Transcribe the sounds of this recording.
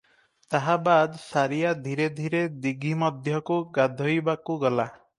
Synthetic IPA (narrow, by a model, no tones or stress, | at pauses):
t̪aɦabad̪saɾijad̪ʱiɾed̪ʱiɾed̪iɡʱimɔd̪ʱjɔkuɡad̪ʱojbakuɡɔla